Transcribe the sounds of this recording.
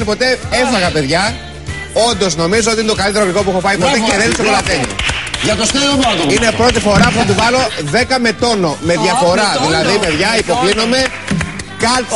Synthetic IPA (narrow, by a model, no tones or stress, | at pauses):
ipo̞t̪e̞efɐɣɐpe̞ðʝɐ | o̞nd̪o̞zno̞mizoot̪iinet̪o̞kɐlit̪eoɣiko̞puxo̞pɐipo̞t̪e̞ceðenisekolɐt̪eɲḭʝɐt̪ost̪eomot̪oinepɾo̞t̪̬ifo̞ɾɐfuθɐt̪uvɐlo̞ðe̞kɐme̞t̪o̞no̞me̞ðʝɐfo̞ɾɐðilɐðipe̞ðʝɐipo̞klino̞me̞ | kɐ